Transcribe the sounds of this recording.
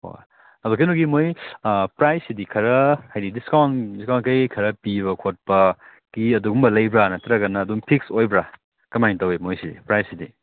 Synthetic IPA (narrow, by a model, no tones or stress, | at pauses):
o̰ | ɐdok̬ɐjnuɡimojpɾajsidikʰɐɾɐhajdidiskandiskankɐjkʰɐɾɐpiβɐkʰot̚pɐ | kiɐduɡumbɐlɐjbɾanɐtɐɾɐɡɐnːɐːdumpʰiksojbɾa | kɐmajŋtɐwimojsidḭpɾajsidi